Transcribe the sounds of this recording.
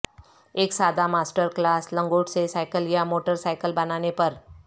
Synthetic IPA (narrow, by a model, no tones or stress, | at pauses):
eːksaːd̪amaːsʈəɾklaːslə̃ŋɡoːʈsesaːɪkəljamoːʈəɾsaɪkəlbɐnaːnepɐɾ